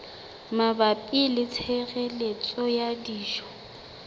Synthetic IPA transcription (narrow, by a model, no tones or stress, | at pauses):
mabapʼilɪt͡sʰɛɣɛlet͡sʼɔjadiːʃɔ̥